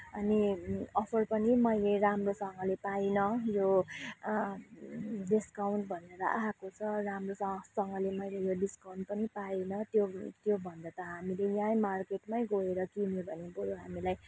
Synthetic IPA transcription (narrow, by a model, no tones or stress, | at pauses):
ʌniʌpʰʌrpʌnimʌjleɾamrosʌŋɡʌlepajnʌjo | ɖiskawnʈbʱʌneɾʌʔaɦakot͡sʰʌramrosʌsʌŋɡʌlemʌjlejoɖiskawnʈ̚pʌnipaenʌt̪jot̪jobʱʌnd̪at̪ʌɦamilejãjmarkeʈmajɡoeɾʌkimobʱʌnebuɾoɦamilaj